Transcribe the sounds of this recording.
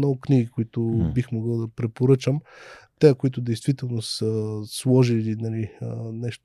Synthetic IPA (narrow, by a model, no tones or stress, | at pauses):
nɔɡʊkniɡikoit̪ʊbixmoɡɤd̪ɐpɾɛpoɾɤt͡ʃəmt̪ɛəkoit̪ʊd̪ɛjst̪vit̪ɛlˠnosəslˠɔʒilinɐlinɛʃt̪